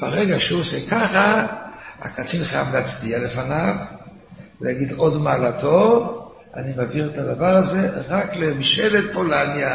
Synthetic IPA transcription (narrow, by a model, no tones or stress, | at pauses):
ba̰ʁeɡaʃuosɛkʰaχa | a̰kat͡sinχaja̰vleat͡sdialefanav | veaɡid̪odmaːlatʰo | a̰nimaviʁetad̪avaʁazeʁaklemiʃelet̪̚polanja